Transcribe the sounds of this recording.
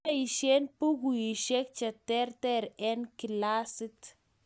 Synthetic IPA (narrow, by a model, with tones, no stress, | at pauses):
i˨ʃe˦npu˦ku˨i˨ʃe˦k̚t͡ʃɛ˨tɛ˦rtɛ˦ɾɛ˦nki˨la˦sɪ˦t